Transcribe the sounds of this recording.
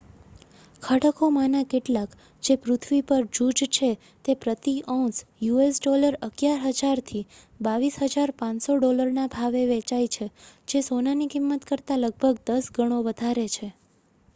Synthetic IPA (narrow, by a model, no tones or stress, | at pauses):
kʰəʈəkomanakeʈlak | d͡ʒepɾʊt̪ʰʋipəɾd͡ʒud͡ʒt͡ʃʰe | t̪epɾət̪iʔɔ̃sjuesɖɔləɾəɡjaɾɦəd͡ʒaɾt̪ʰi | baʋisɦəd͡ʒaɾpãnsoɖoləɾnabʱaʋeʋet͡ʃajt͡ʃʰed͡ʒesonanikɪmːət̪kəɾt̪aləɡ̚bʱəɡd̪əsɡʱəɽ̃oʋəd̪ʱaɾet͡ʃʰe